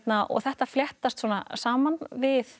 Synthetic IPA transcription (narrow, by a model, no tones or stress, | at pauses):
t̪naʔɔ̰ɣθɛht̪afljɛht̪ast̪sɔːnasaːmanvɪθ